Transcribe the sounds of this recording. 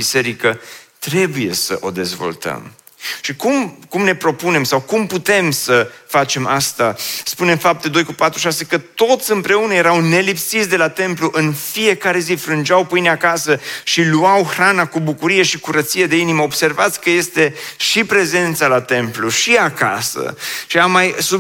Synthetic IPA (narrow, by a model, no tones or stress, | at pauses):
bise̞ɾikət̪ɾe̞buje̞̰sə̰ʔo̞̰d̪e̞zvo̞̰lt̪ə̰m | ʃikumkumne̞pɾo̞pune̞msawkumput̪e̞msəfat͡ʃe̞ma̰st̪aspune̞mfap̚t̪e̞d̪o̞jkupat̪ɾuʃase̞kət̪o̞t̪sʲɨmpɾe̞unəje̞ɾawne̞lipsit̪sʲd̪e̞lat̪e̞mpluʔɨnfije̞kaɾe̞zifɾɨnd͡ʒawpɨjneakasəʃiluawxɾanakubukuɾije̞ʃikuɾət̪sije̞d̪e̞iniməobse̞rvat̪sʲkəje̞st̪e̞ʃipɾe̞ze̞nt̪salat̪e̞mpluʃiaka̰sə̰ʃiamːajsu